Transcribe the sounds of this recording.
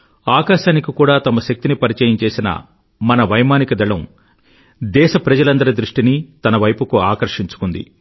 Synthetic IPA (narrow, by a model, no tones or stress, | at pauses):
aːkaːʃaːnikikuːɽaːt̪ɐmɐʃɐk̚t̪inipɐɾit͡ʃɐjɐmt͡ʃe̞ːsinɐ̰ | mɐnɐʋɐjmaːnikɐd̪ɐɭɐm | d̪ɛːʃɐpɾɐd͡ʒɐlɐnd̪ɐɾɐd̪ɾuʂʈinit̪ɐnɐʋɐjpukuaːkɐɾʂiɲt͡ʃu̥kund̪ḭ